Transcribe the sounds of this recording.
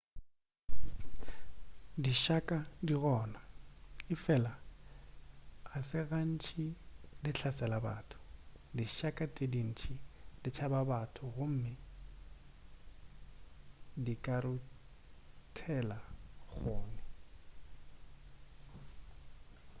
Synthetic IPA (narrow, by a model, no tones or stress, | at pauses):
diʃakʼadiɣɔːnaɪfɛla | sɪɣan̩t͡ʃʰidɪɬʰasɛlaba̰ːtʰʊ̥ | diʃakʼatʼɪdin̩t͡ʃʰidɪt͡ʃʰababatʰʊɣʊm̩mɪ | dikʼaɾʊ | tʰɛlaɣoːnɪ